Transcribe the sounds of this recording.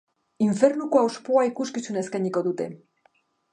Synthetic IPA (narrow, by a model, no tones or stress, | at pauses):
iɱfe̞ɾnukoawspoaikuskisuneskajɲiko̞ðut̪e̞̰